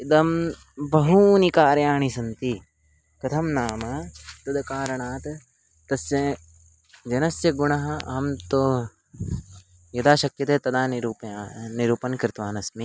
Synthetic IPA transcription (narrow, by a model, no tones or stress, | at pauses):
id̪ɐm | bɐɦuːnikaːɾjaːɳisɐnt̪i | kɐt̪ʰɐmnaːmɐt̪ɐd̪ɐkaːɾɐɳaːt̪ɐ | t̪ɐsjɐ | d͡ʒɐnɐsjɐɡuɳɐɦɐ̆ɐ̰mt̪o | jɐd̪aːʃɐkjɐt̪eːt̪ɐd̪aːniɾuːpaːniɾuːpɐnkɾɪt̪ʋaːnɐsmi